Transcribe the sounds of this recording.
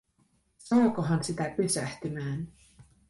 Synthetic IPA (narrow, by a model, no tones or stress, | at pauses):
sɑːkoɦɑnsit̪æpysæht̪ymæːn